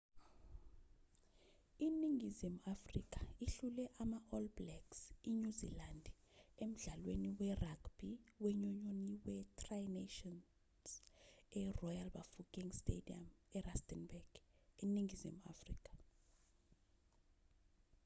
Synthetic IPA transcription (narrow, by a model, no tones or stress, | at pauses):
iniŋizimafrḭk̬ʰʼḁiɬulɛʔamaʔɔlblɛksiɲuzḭland | em̩ɮalweniwɛraɡb̥iwɛɲuɲɔniwɛtʰʼrajneʃɔn | sɛrɔjalba̰fukʼiŋstḛdiamɛrastʼɛnbɛɡ̥iniŋɡizima̰frḭkʼḁ